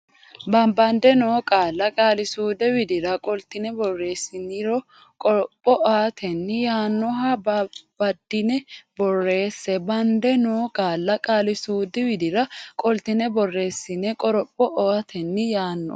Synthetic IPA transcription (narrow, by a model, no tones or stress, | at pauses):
bɐmbɐnd̪ɛnoːkʼaːlːɐkʼaːlɪsuːd̪ɛwɪd̪ɪɾɐkʼɔlt̪ɪnɛbɔrːe̞ːsːɪnːɪɾɔ | kʼɔɾɔpʼːɔʔaːt̪ʰɛnːɪjaːnːɔɦɐbbɐd̪ːɪnɛbɔrːe̞ːsːɛbɐnd̪ɛnoːkʼaːlːɐkʼaːlɪsuːd̪ɪwɪd̪ɪɾɐkʼɔlt̪ɪnɛbɔrːe̞ːsːɪnɛkʼɔɾɔpʼːɔʔɔat̪ʰɛnːɪjaːnːɔ̰